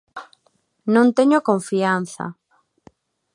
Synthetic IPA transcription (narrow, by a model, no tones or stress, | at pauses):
nõnt̪eɲokõɱfian̟θa̰